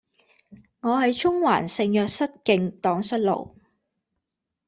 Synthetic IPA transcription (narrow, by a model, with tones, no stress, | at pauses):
ŋɔː˨˧hɐ˨jt͡ʃʰʊ˥ŋwaː˨˩nsɪ˧ŋjœː˨k̚sɐ˥t̚kɪ˧ŋt̪ɔː˨˥ŋsɐ˥t̚lo̰˨˩w